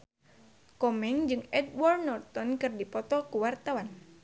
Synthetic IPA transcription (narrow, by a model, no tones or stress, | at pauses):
kɔmɛŋd͡ʒɨŋɛdwɔrnɔrt̪ɔnkɨrdipɔt̪ɔkuwart̪awan